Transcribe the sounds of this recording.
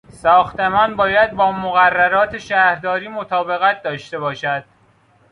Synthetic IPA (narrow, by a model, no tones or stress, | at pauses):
sɒːxt̪emɒːnbɒːjæd̪̚bɒːmoɣærːæɾɒːt̪ʰeʃæːɾd̪ɒːɾiːmot̪ʰɒːbe̞ɣæt̪̚d̪ɒːʃt̪e̞bɒːʃæd̪̥